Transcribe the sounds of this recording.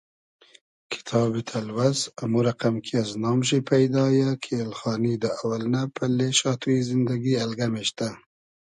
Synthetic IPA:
kʰɪ̥t̪ʰɑːbit̪ʰalwazamuɾaqamkʰiaznɑːmʃipʰajd̪ɑjakʰelxɑːnid̪əawalnapʰəleʃɑt̪uizɪnd̪aɡialɡameʃt̪a

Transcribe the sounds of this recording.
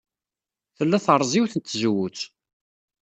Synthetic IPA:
θəlːæθəɾˤzˤiwθət͡sːzwut͡s

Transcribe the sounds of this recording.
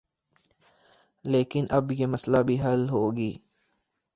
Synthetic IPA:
leːkɪnʔɐbjeːmɐslabʱiːɦɐlɦoːɡiː

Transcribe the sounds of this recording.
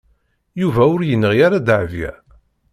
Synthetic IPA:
juvæʊɾjənːəʁjaɾad̪ʕvjæ̰

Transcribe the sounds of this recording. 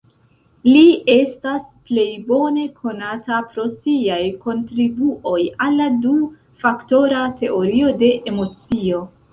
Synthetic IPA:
lie̞stasple̞jbo̞ne̞kʰo̞natapɾo̞siajko̞ntɾibuʔo̞jalːadu | fakto̞ɾate̞o̞ɾio̞de̞ʔemo̞t͡sio̞

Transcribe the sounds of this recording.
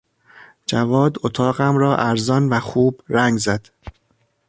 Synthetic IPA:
d͡ʒævɒːd̪ot̪ʰɒːɢæmɾɒːʔæɾzɒnvæxuːb̥ɾæŋɡzæd̪̥

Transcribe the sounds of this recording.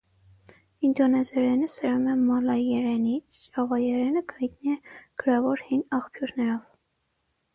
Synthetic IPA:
ind̪ɔnɛzɛɾɛnəsəɾumɛmɑlɑjɛɾɛnit͡sʰt͡ʃɑvɑjɛɾɛnəɡʰɑjt̪niɛɡ̥əɾɑvɔɾhinɑχpʰjuɾnɛɾɔv

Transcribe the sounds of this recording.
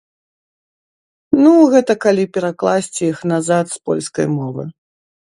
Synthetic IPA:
nuɣɛt̪ɐkalʲipʲɛɾaklˠasʲt͡sʲijixnazat̪spɔ̰lʲskɐ̰jmɔvɨ̰

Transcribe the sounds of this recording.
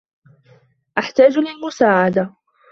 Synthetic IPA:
ʔaħt̪aːd͡ʒlɪlmʊsaːʕad̪a

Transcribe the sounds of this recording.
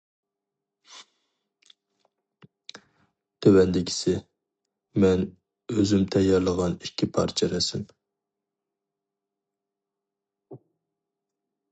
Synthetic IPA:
t̪ʰøwɛnd̪ɪkʲʰi̥sɪ | mɛn | øzymt̪ʰɛjɑɾlˠəʁɑnikʲːipʰɑ̰ɾt͡ʃʰiɾɛsɪm

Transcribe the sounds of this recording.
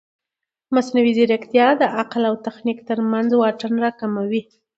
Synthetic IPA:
masnawiziɾakt̪jɑd̪əʔaqlawt̪axnikt̪əɾmanzwɑʈənɾɑkamawi

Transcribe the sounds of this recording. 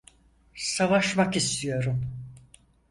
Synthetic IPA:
savaʃmakist̪ʰijo̞ɾum

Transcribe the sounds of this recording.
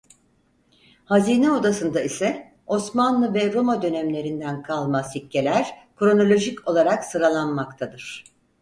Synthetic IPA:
haziːnɛo̞d̪asɯnd̪aisɛ | o̞smanlˠɯvɛɾo̞mad̪ø̞nɛmlʲe̞ɾind̪ænkʰalˠmashicːe̞lʲæɾ̥kɾo̞no̞lʲo̞ʒico̞lˠaɾaksɯɾalˠanmakt̪ʰad̪ɯɾ̥

